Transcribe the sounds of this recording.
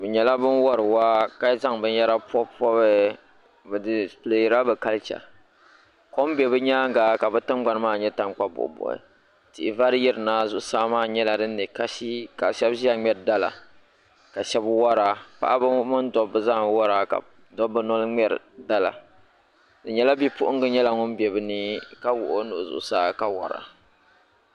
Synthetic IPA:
bɨ˨ɲɛ˨la˦bɨ˦nwɔ˦ɾɨ˨waː˦ka˦za˦ŋbɨ˦n˦jɛ˦ɾa˦pɔ˦pɔ˦bɛ˦ | bdple˨ɾa˦bɨ˨ka˦lt͡ʃa̰˨ | ko˦m˦bɛ˨bɨ˦ɲaː˦ŋ˦ɡaː˨ka˨bɨ˦tɨ˦mɡ͡ba˨n˦maː˦˨ɲɛ˦ta˦ŋ˦k͡pa˦bʊ̰˨ʔbɔ̰˨ɪ̰˨ | tɪ˨ʔɪ˨va˦ɾji˦ɾɨ˨naː˦zʊ˨ʔsaː˦maː˦˨ɲɛ˦la˨dɨ˦nː˦ɨ˨ka˨ʃi˦ka˨ʃɛ˦bʒi˦a˨ŋ͡mɛ˦ɾda˦la̰˨ | ka˨ʃɛ˦bwa˦ɾaː˨pa̰˨ʔa˦bmɨ˦ndɔː˦ɨ˨zaː˦˨wɔ˦ɾaː˦ka̰˨ | dɔ˦bːɨ˦nɔ˦lŋ͡mɛ˦ɾɨ̰˨da˦la̰˨ | dɨ˨ɲɛ˦la˦bi˦pʊ˦ʔʊ˦ŋ˦ɡɨ˦ɲɛ˦la˨ŋʊ˦mbɛ˨bɨ˦nɨ˦ka˦wʊ̰˨ʔo˦nʊ̰˨ʔzʊ̰˨ʔʊ˦saː˦ka˦wɔ̰˨ɾa̰˨

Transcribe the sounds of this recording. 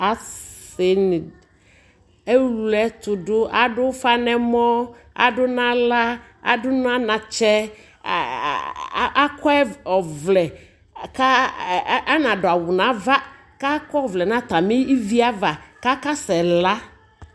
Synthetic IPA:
a˨sɪ˨nɪ˨ | e˦lu˨ɛ˨t̪ʊ˨dʊ˦ʔa˨dʊ˦fa˦nɛ˦mɔ˦ | a̰˨dʊ˦nã˦la˦ | a̰˨dʊ˦nʊ˦a˦nã˨t͡ʃɛ˦ | a˦kʰɔ˦ɛ˦ɔ˨vlɛ˨ | ka˦ | a˦nã˨dʊ˨a˨wʊ˨nã˨˦va˦ | ka˦kɔ˦˨vlɛ˨nã˨t̪a˨mɪ˦i˦vi˦a˦va˨ka˦ka˦sɛ˨la˦

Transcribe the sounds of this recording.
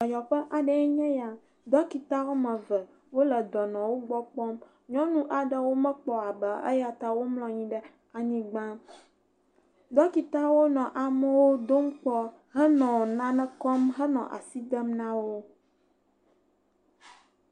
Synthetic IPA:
ɔ˨jɔ˨ɸə˦ʔa˨ɖə˨ɛ˦ɲɛ̃˦ja˨ | d̪ɔ˦ki˨t̪a˦wo˦mɛ̃˨və˨ | wo˦lə˨d̪ɔ˨nɔ̃˨wo˦ɡ͡bɔ˦k͡pɔ˦m | ɲɔ̃˦nũ˦ʔa˨ɖə˦wo˦mɛ̃˦k͡pɔ˨a˨bə˨ə̰˦ja˨t̪a˦wo˦mlɔ̃˦ɲĩ˦ɖə˦ | a˨ɲĩ˦ɡ͡bã˦ | d̪ɔ˦ki˨t̪a˦wo˦nɔ̃˨ʔa˨mə̃˦wo˦d̪o˦m˦k͡pɔ˦ | ɦə˦nɔ̃˨nã˦nɛ̃˦kɔ˦mɦə˦nɔ̰̃˨ʔa̰˨si˦d̪ə˦mnã˦wo˦

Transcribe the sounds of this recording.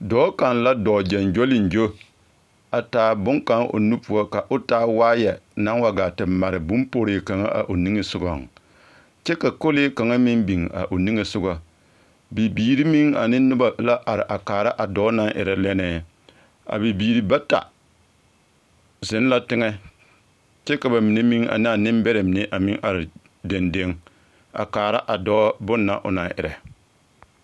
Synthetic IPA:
dɔː˨˦ka˨nla˦dɔː˨d͡ʒɛ˨nd͡ʒo˦lɪ˨n˨d͡ʒo˦ | a˨taː˨bʊ˦ŋka˦ŋʔo̰˨nu˦pu˨ɔ˦ka˨ʔʊ˦taː˦waː˦jɛ˨na˦ŋwa˦ɡa˨tɪ˨ma˨ɾɪ˨bʊ˦mpo˦ɾeː˨ka˨ŋa̰˦ʔa̰˨ʔo˨ni˦ŋe˦sʊ˦ɡɔ˨ŋ | t͡ʃɛ˦ka˨ko˦le˦ka˨ŋa˦mɪ˦mbi˨ŋa̰˨ʔo˨ni˦ŋe˦sʊ˦ɡa˦ | bi˨biː˨ɾi˦mi˦ŋa˨nɪː˦ʊ˦ba˨la˦ʔa˨ɾɪ˨ʔa˨kaː˨ɾa˦ʔa˨dɔː˦na˦ŋʔɪ̰˨ɾɛ˨lɛ˦nɛː˦˨ | a̰˨bi˨biː˨ɾi˦ba˦ta̰˨ | zɪ˦n˦la˦tɪ˦ŋɛ˦ | t͡ʃɛ˦ka˨ba˨mɪ˨ne˦mi˦ŋa̰˨n˦a˨nɪ˦mbɛ˦ɾɛ˨mɪ˨ne˦ʔa˨mɪ˦ŋʔa˨ɾɪ˨ | de˨nde˦ŋ | a̰˨kaː˨ɾa˦ʔa˨dɔː˦bʊ˦nːa˦ʔʊ̰˨na˨˦ʔɪ̰˨ɾɛ˨

